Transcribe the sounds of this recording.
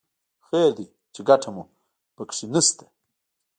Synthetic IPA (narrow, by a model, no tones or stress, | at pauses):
xeɾd̪i | t͡ʃeɡaʈʰamu | pəkʂinist̪e̥